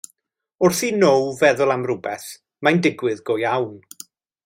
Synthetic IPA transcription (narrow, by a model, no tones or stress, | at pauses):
ʊrθinowvɛðʊlˠamrʊbɛθ | majndɪɡwɨðɡɔjawn